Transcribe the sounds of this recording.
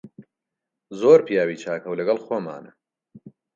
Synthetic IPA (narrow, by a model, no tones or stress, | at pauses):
zoːɾpijaːwiːt͡ʃʰaːkʰɐwlɐɡɐlˠxoːma̰ːnɐ